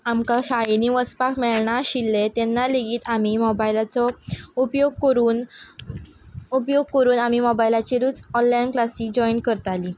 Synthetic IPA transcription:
amkaɕaɭiniʋəspakmɛɭɳaɕilːet̪ɛnːaleɡiːt̪amimɔbajlat͡sɔupjoɡ̚kəɾuːn | upjoɡ̚kəɾuːnamimɔbajlat͡ɕiɾuːt͡sɔnlainklasiːd͡ʑɔinkəɾt̪ali

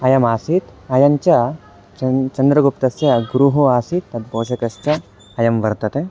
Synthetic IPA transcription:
ɐjɐmaːsit̪ɐjɐɲt͡ʃɐ | t͡ʃɐnd̪ɾɐɡupt̪ɐsjɐɡɾuɦuaːsit̪ːɐd̪boːʃɐkɐst͡ʃɐː | jɐmʋɐɾt̪ɐt̪e

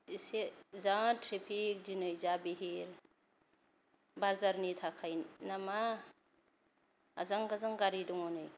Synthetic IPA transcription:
isezaŋtɾepʰik̚dinɯjzabiɦiɾ | bazaɾnitʰakʰajnama | zaŋɡazaŋɡaɾiduŋɔnɯj

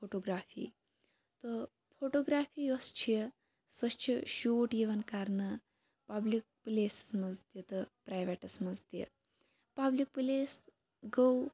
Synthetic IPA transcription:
foʈoːɡɾaːfḭː | t̪o | fʰoʈoːɡɾaːfʰiːjost͡ʃʰijə | sɐst͡ʃʰiʃuːʈjiʋɐnkaɾnɐ | pablik̚pleːsɐ̥smɐzd̪jet̪ɨpɾajʋeʈɐsmɐzd̪jḛ | pablik̚pleːs | ɡow

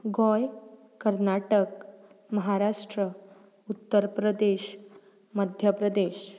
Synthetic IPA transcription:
ɡɔj | kəɾnaʈək | məɦaɾaʂʈɾə | ut̪ːəɾpɾəd̪eɕ | məd̪ʱjəpɾəd̪eɕ

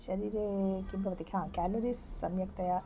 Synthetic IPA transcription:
ʃɐɾiːɾekimbɐʋɐt̪ikʰãkæːloɾissɐ̰mjɐkt̪ɐja

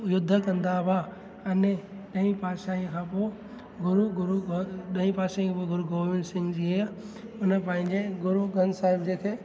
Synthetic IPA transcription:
jʊd̪ʱːəkɐ̃nd̪aba | ɐne | ɗɐĩpaːʃaĩkʰãːpo | ɡʊɾuɡʊɾuoɗɐ̃ĩpaːʃaĩkʰãpoɡʊɾuɡoːʋɪnsɪ̃ŋɡd͡ʑiɦe | ʊnə̆pɐ̃ɦɪ̃ɲd͡ʑeɡʊɾuɡʱɐnsaːɦɪbd͡ʑeːk̪ʰe

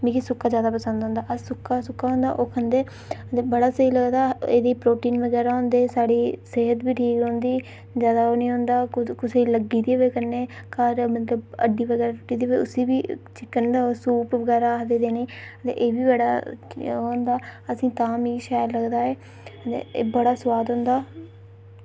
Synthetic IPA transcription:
mĩkisʊkːaːd͡ʒjaːd̪aːpəsənd̪ɦõːnd̪aːʔəsʊkːaːsʊkːaːɦõnd̪a̰ːʔoːkʰənd̪eː | ət̪eːbəɽaːsəiːləɡd̪aːḛːd̪iːpɾoːʈiːnʋəɡɛːɾaːɦõːnd̪eːsaːɽiːseːɦət̪biːʈʰiːkɦõːnd̪iː | zjaːd̪aːoːnĩːɦõːnd̪aːkʊseːləɡiːd̪iːʋeːkəɾneː | kəɾmət̪ləbə̰ɖiːʋəɡɛːɾaːt͡ʃʊʈiːd̪iːʋoːʊ̰siːbiːt͡ʃɪkːənd̪aːoːsuːpʋəɡɛːɾaːd̪eːd̪eːneːət̪ḛʔeːbiːbəɽa̰ːɦõːnd̪aːəsĩːt̪ãːmiːʃaːjlləɡd̪aːeː | t̪ḛːbəɽaːswaːd̪ɦõːnd̪aː

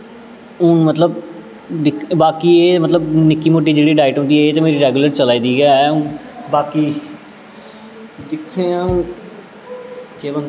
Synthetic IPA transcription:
ʊ̃ːmət̪ləb | d̪ɪkʰbaːkiːeːmət̪ləbnɪkːiːmoːʈ̬ːiːd͡ʒeːɽiːɖaːɪʈɦõːnd̪iːɦɛːeːt̪ameːɾiːɾɛːɡuləɾt͡ʃəlaːiːd̪iːɡaɛːʊ̃ːbaːkiː | d̪ɪkʰːeːaːũː | d͡ʒeːbən

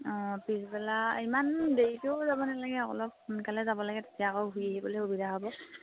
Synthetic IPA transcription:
ɔ̃pisbɛlaimandejitoʊzabɔnalaɡɛɔkɔ̰lɔk̚hunkalɛzabɔlaɡɛte̥tijakɔwɦujeɦibɔlexubidʱaɦobɔ

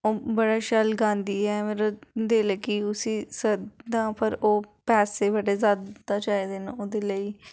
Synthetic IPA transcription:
oːbəɽaːʃəlɡãːnd̪iːɦɛːmeːɾad̪eːləɡiːʊsiːsəd̪ãːpʰəɾoːpɛːseːbəɖeːzaːd̪d̪aːt͡ʃaːiːd̪eːnoːd̪eːləiː

